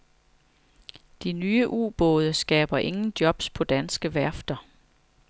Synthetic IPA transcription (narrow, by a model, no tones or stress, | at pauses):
d̥inyːəʔṵːb̥ɔ̰̽ːð̞ˠəsɡ̥ɛ̰ːb̥ɐʔe̝ŋn̩d̥jɒ̽b̥spʰɒ̽d̥ænsɡ̥əʋæɐ̰fd̥ɐ